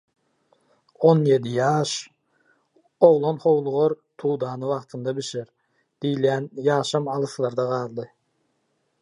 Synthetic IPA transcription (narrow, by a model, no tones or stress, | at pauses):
onje̞d̪ijɑːʃ | o̞ʁlˠonχo̞wlˠuʁoɾ | t̪ʰuːd̪ɑːnɯwɑqt̪ʰɯnd̪ɑbiʃeɾ | d̪̥ijljæːnjɑːʃɑmɑlˠɯslˠɑɾd̪ɑʁɑːlˠd̪ɯ